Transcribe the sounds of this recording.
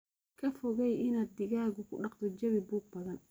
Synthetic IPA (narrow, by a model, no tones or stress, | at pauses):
kʰɐfɔɣɛjɪnaːd̪̚ːɪɣaːɣʊkʰʊɗɑqt̪ʰɔd͡ʒɐβɪbuːɡ̚bɐðɐn